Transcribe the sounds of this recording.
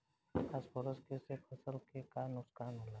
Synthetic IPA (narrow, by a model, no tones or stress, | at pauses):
kasbɔɾəskesepʰəsəlkekanʊskaːnɦola